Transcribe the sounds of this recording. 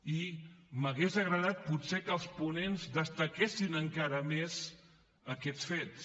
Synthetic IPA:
iməɣezəɣɾəðat̪̚putsekəlˠspunenzðəst̪əkesinəŋkaɾəmez | əkɛsfets

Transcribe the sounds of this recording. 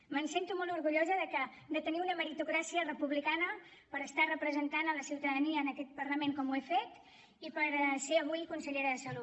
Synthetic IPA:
mənsent̪umɔlˠuɾɣuʎozəðəkə | d̪ət̪əniunəməɾit̪ukɾasiərəpuβlikanə | pəɾəst̪arəpɾəzənt̪anələsiwt̪əðəniəːnəkɛt̪̚pəɾləmeŋkɔmuefet̪ | ipəɾseəβ̞ujkunsəʎeɾəðəsəlu

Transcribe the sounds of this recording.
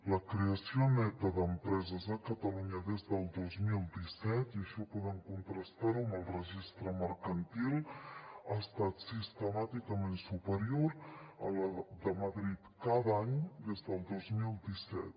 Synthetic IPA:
ləkɾeəsionɛt̪əðəmpɾɛzəzəkət̪əluɲəðezd̪əlˠd̪ozmilˠd̪isɛt̪iəʃɔpuðɛmkunt̪ɾəst̪aɾuməlˠrəʒist̪ɾəməɾkənt̪ilˠast̪at̪sist̪əmat̪ikəmensupəɾioɾə̰ləd̪əməðɾit̪kaðaɲd̪ezd̪əlˠd̪ozmilˠd̪isɛ̰t̪

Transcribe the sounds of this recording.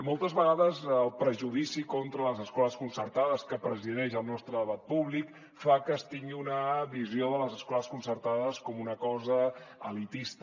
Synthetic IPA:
molˠt̪əzβəɣaðəzəlˠpɾəʒuðisikɔnt̪ɾələzəskɔləskunsərt̪aðəskəpɾəziðɛʃəlˠnɔst̪ɾəðəβat̪̚puβlik | fakəːst̪iŋɡiunəβizijoðələzəskɔləskunsərt̪aðəskɔmunəkɔzəəlit̪ist̪ə

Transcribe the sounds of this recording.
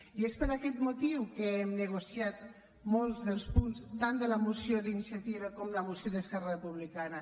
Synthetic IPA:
iespəɾakɛt̪mut̪iwkəɛmnəɣ̞usiat̪ | molˠzðəlˠspunst̪and̪ələmusioðinisjat̪iβəkomləmusijoðəskɛrərəpuβlikanə

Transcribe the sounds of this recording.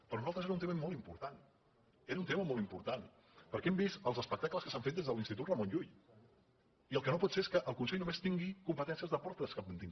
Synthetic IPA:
pɾɔnuzalˠt̪ɾəzeɾunt̪eməmolˠimpuɾt̪an | eɾunt̪eməmɔlˠimpuɾt̪an | pəɾkɛɛmbist̪əlˠzəspək̚t̪akləskəsaɱfet̪̚d̪ezðəlinst̪it̪ut̪rəmõnʎuʎ | iəlˠkənopɔt̪seeskəʔəlˠkunseʎnumest̪iŋɡikumpət̪ɛnsiəzðəpɔɾt̪əskaənt̪iŋ

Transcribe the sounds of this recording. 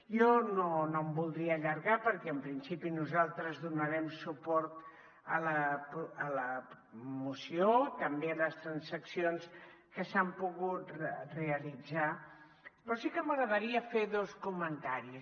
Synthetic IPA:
jɔnonombulˠd̪ɾiəʎəɾɣapəɾkɛəmpɾinsipinuzalˠt̪ɾəzðunəɾɛmsupɔɾt̪ | ələpələ | musiot̪əmbeləst̪ɾənsəksionskəsampuɣut̪reəlid͡za | pɾɔsikəməɣɾəðəɾiəfeðoskumənt̪aɾi

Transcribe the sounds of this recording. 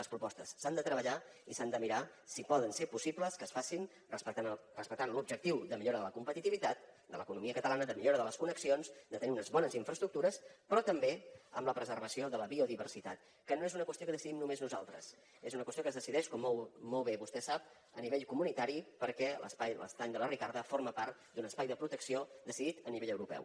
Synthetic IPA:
ləspɾupɔst̪əsːand̪ət̪ɾəβəʎa | isand̪əmiɾa | sipɔðənsepusipləskəːsfasin | rəspət̪anrəspəkt̪anlub̚d͡ʒək̚t̪iwðəmiʎoɾəðələkumpət̪it̪iβit̪at̪̚d̪ə̰ləkunumiəkət̪əlanəðəmiʎoɾəðələskunəksionzd̪ət̪əniunəzβɔnəziɱfɾəst̪ɾuk̚t̪uɾəspɾɔt̪əmbeə̰mləpɾəzərβəsioðələβiuðiβərsit̪at̪ | kənoezunəkwəst̪iokəðəsiðimnumeznuza̰lˠt̪ɾə̰s | ezunəkwəst̪iokəzðəsiðɛʃkɔmːomːolˠβeβust̪ɛsap̚ | əniβeʎkumunit̪aɾipəɾkɛlə̰spajlə̰st̪aɲd̪ələrikaɾðəfoɾməpaɾt̪d̪unəspajðəpɾut̪əksiod̪əsiðit̪əniβeʎəwɾupɛ̰w

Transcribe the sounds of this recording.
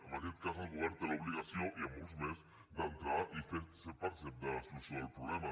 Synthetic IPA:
amaɾet̪̚kasalɣoβeɾt̪eloβliɣasjoiamunsmes | d̪ant̪ɾaʔifet̪sepaɾsed̪aasusalpɾoβlema

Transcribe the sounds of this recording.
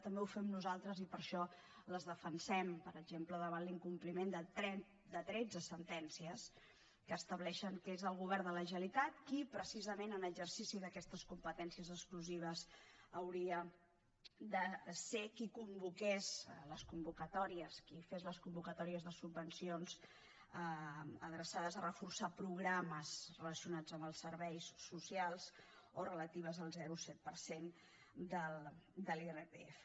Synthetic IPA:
t̪əmbɛufɛmnuzalˠt̪ɾəzipəɾʃɔ | ləzðəfənsɛmpəɾəɡʒempləðəβanliŋkumplimend̪ət̪ɾɛ | d̪ət̪ɾɛd͡zəsənt̪ɛnsiəs | kəːst̪əβlɛʃəŋkezəlˠɣuβɛɾd̪ələʒəlit̪at̪̚kipɾəsizəmenənəɡzərsisiðəkɛst̪əskumpət̪ɛnsiəzəkskluziβ̞əzəwɾiə | d̪əsekikumbukezləskumbukət̪ɔɾiəskifezləskumbukət̪ɔɾiəzðəsubːənsionz | əəðɾəsaðəzərəfursapɾuɣɾaməzrələsiunad͡zəmbəlˠsəɾβɛjsːusialˠz̥ | orələt̪iβ̞əzəlˠzɛɾusɛt̪̚pəɾsen | d̪əld̪əlerepeef

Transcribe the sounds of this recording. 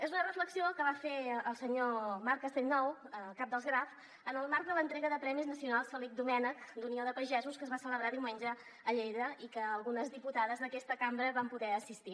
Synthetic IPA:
ezunərəfləksiokəβ̞afeəlˠsəɲomaɾkəst̪ennːɔwəkap̚d̪əlˠzɣɾaf | ənəlˠmaɾk̚d̪ələnt̪ɾɛɣəðəpɾɛmiznəsiunalˠsfɛlik̚d̪umɛnəkd̪unioðəpəʒɛzuskəzβasələβɾaðiwmenʲʒə | əʎejðəikəːlˠɣunəzðiput̪aðəzðəkɛst̪əkambɾəβampuðɛəsist̪i

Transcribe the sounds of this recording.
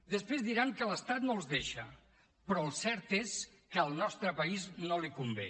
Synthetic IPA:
d̪əspɾezðiɾaŋkələst̪at̪nolˠzðeʃə | pɾɔəlˠsɛɾt̪es | kəəlˠnɔst̪ɾəpəiznolikumbḛ

